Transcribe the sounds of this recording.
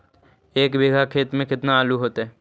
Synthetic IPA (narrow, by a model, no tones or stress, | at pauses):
eːkbiːɡʱakʰeːt̪mẽkɪt̪naaːluɦoːt̪ɦɛː